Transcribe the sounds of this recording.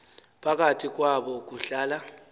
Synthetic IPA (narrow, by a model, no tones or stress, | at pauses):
pʰak̬atʰik̬waɓɔk̬uɬaːla